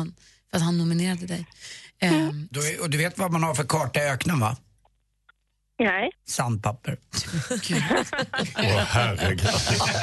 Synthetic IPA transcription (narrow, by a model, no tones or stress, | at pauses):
n | fœɾat̪hanːʊmɪneːɾad̪əd̪ɛj | d̪ɔɔd̪ɵveːt̪vamanhaɾfœɾkʰɑːʈaøːknənva̰ | nɛjsand̪̚pʰapːəɾɡʉ | ɔhæɾɪɡ̪